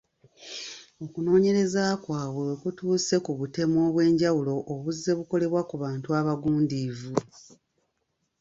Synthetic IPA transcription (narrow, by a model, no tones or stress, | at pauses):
o̞kuno̞ːɲe̞ɾe̞zakwaːβwe̞wekutuːse̞kuβute̞mo̞ːβwe̞ːɲɟawulo̞ʔːβuzːe̞βuko̞le̞βwakuβaːntuaβaɡuːndiːvu